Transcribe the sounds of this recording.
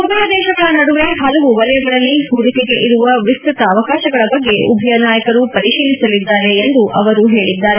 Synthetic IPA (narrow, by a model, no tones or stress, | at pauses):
ubʱɐjɐd̪ɛːʃɐɡɐɭɐnɐɽuʋe̞ɦɐlɐʋuʋɐlɐjɐɡɐɭɐlːiɦud̪ikeɡe̞ʔiɾuʋɐʋist̪ɾit̪ɐːʋɐkaːʃɐɡɐɭɐbɐɡːe̞ʔṵbʱɐjɐnaːjɐkɐɾupɐɾiʃiːlisɐlid̪ːaːɾe̞ːnd̪uʔɐʋɐɾuɦe̞ːɭid̪ːaːɾe